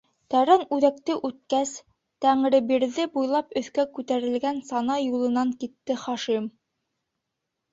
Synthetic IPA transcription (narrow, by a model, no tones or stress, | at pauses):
t̪æɾænʉðækt̪ɘʔʉt̪̚kæs | t̪æŋɾɘ̆biɾðɘbujlˠɑpɵ̆θkækʉt̪æɾɘ̆lɡænsɑnɑjulˠɤ̆nɑŋkit̪ːɘχɑʃim